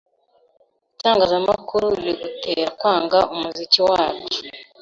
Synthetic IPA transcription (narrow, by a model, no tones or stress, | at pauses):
utaːŋɡazamakuɾuliɡuteɾakwaːŋɡaomuziciwaːke̥